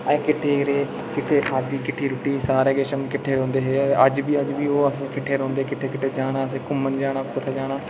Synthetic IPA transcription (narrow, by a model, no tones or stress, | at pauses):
əkɪʈʰːeːɾeː | kɪʈʰːeːkʰaːɾd̪iːkɪʈʰːiːɾʊʈːiːsaːɾeːɡeːʃənkɪʈʰːeːɾõːnd̪eːɦeːəd͡ʒbiːəd͡ʒʋiːoːəsẽːkɪʈʰːeːɾõːnd̪eːkɪʈʰːeːkɪʈʰeːd͡ʒaːɽaːəs̬ẽːkʊmːənd͡ʒaːɽaːpʊt̪ʰad͡ʒaːɽaː